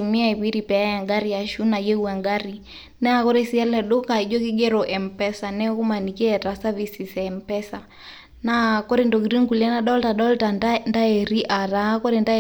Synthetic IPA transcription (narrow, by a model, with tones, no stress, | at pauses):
umiai˨βi˦ɾipɛ˨a˦ja˨ŋɡa˦ɾija˨ʃuna˨jɛ˦ua˨ŋɡaɾi | nɛ˦akɔ˦ɾɛsi˦ɛ˦lɛ˨ɗo˦ka˨i˨d͡ʒɔ˦ki˦ɡɛ˦ɾɔʔɛ˨mpɛsa˨nɛ˦ku˦maniki˦ɛtasavisi˨sɛmpɛsa | nakɔ˦ɾindɔɡɾi˦ŋku˨lia˦naɗɔ˦lta˨ɗɔltanda˦ɛɾiʔa˨ɾa˦kɔ˦ɾɛnda˦